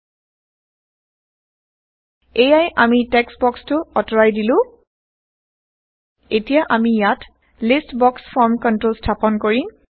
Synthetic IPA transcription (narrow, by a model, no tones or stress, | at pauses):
ejajʔamitɛksbɔkstʊɔtɔɹajdilʊ̃ | etijaʔamijat | listbɔksfʰɔɹmkɔntɹolstʰapɔnkoɹi